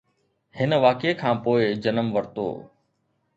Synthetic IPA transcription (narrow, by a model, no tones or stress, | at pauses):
hɪnʋaːkekʰãːpoːɪd͡ʑɐnəmʋɐɾt̪o̰ː